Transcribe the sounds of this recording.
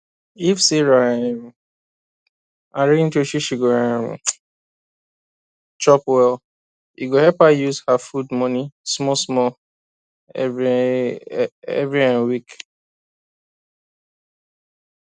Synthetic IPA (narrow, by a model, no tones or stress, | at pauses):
ifsiɾaeɾu | aɾin̩toʃiʃiɡoaɾṵ | t͡ʃɔpwɛl | iɡohɛpajuzhafudmɔnismɔsmɔ | ɛ̰vɾiãnwik